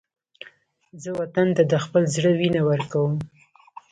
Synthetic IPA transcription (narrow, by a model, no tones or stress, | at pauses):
zəwat̪ant̪ad̪əxpəlzɽəwinawəɾkawəm